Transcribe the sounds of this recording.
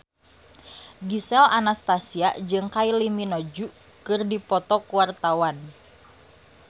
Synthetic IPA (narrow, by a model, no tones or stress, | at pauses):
ɡisɛlanast̪asiad͡ʒɨŋkailiminɔd͡ʒu | kɨrdipɔt̪ɔkuwart̪awan